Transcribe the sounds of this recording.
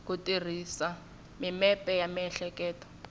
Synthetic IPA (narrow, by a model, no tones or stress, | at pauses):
kutir̤isa | mimɛpɛjamiɛɬɛkɛːtɔ̥